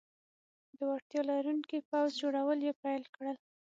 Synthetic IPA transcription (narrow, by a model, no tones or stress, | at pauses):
d̪əwaɾt̪jɑlaɾuŋkipawzd͡ʒoɽawəljepajlkɽəl